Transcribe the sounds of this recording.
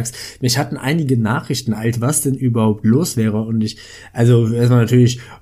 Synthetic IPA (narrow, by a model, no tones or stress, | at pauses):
ksmɪçhatn̩ʔa̰ɪnɪɡənaːχʁ̥ɪçtn̩alsv̥asd̥ɛnʔyːbɐhaʊp̚tloːsv̥ɛːʁ̞əʊntɪç | ʔalzoʔeːɐstmalnatʰyːɐlɪç